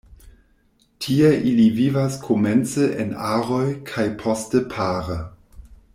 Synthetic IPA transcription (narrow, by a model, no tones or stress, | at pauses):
tʰieʔilivivaskʰoment͡seʔenaʁojkʰajpʰostəpʰaːɾə